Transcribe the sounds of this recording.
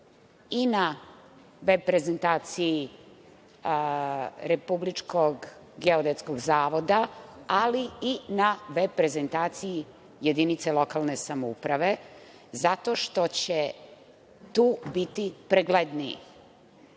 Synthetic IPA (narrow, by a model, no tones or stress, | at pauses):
ina | ʋepɾe̞zent̪aːt̪sii | ɾe̞publit͡ʃkʰoɡ | ɡeod̪et̪skoɡzaːʋo̞d̪aaliinaʋepɾe̞zent̪aːt̪siji | je̞d̪init̪selo̞kalˠne̞samoṵpɾaʋe̞ | zat̪oʃt̪o̞t͡ɕe | t̪uːbit̪ipɾeɡled̪niḭ